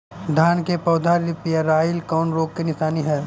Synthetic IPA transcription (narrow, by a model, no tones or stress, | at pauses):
d̪ʱaːnkepɔːd̪ʱaɾɪpjaɾaːɪlkɔːnɾoːɡ̚kenɪsaːniɦɛː